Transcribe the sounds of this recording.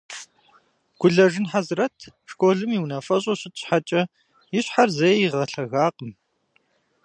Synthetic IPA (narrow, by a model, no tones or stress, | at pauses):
ɡ̥ʷʊɮɐʐɪnħazrɐtʰʂkʼoːɮɨmiwnɐfɐɕʼoɕɪtʼɕħat͡ʃʼɐ | jɪɕħarzɐjjiʁɐɬɐɣaːqʼəm